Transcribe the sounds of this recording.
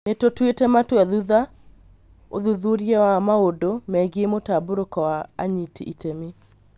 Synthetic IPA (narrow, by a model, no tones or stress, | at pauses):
netotwetɛmatwɛðuða | o̰ðuðuɾiɛwamaodomɛɡiemotaboɾokɔwa̰ːɲitiʔitemi